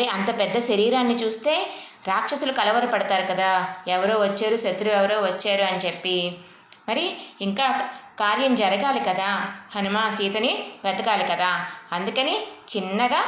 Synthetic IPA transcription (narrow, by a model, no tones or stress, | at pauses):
ɐɾiɐnt̪ɐpɛd̪ːɐʃɐɾiːɾaːnːit͡ʃuːst̪e̞ː | ɾaːkʂɐsɐlukɐlɐʋɐɾɐpɐɽɐt̪aːɾukɐd̪aːɛʋɐɾoːʋɐt͡ʃːaːɾusɐd̪ɾuɛʋɐɾoːʋɐt͡ʃːaːɾuɐnit͡ʃepːi | mɐɾiiŋkaːkaːɾjɐmd͡ʒɐɾɐɡaːlikɐd̪aːhɐnumaːsiːt̪ɐniʋɐd̪ɐɡaːlikɐd̪aːɐnd̪ukɐnit͡ʃinːɐɡaː